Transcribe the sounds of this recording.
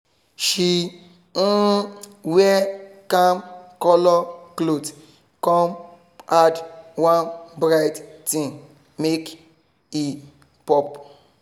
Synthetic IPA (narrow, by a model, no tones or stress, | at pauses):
ʃi | n̩wɛkãmkɔlɔklot | kɔ̃m | adwãnbɾajttĩn | mek | i | pɔp